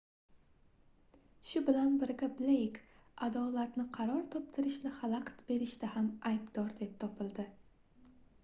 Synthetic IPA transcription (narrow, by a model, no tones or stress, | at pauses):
ʃʊbɪlanbɪɾɡʲablejkad̪ɒlat̪nɪqʰɑɾɒɾt̪ʰɒp̚t̪ʰɪɾɪʃnɪhalˠaqt̪be̞ɾɪʃt̪ahamajbd̪̥ɒɾd̪e̞p̚t̪ʰɒpʰɪlˠd̪ɪ